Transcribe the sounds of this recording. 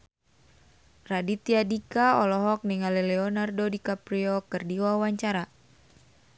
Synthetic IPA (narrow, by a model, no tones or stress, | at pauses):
radit̪iadikaɔlɔɦɔk̚niŋalɛlɛɔnardodikapɾiɔkɨrdiwawaɲt͡ʃaɾa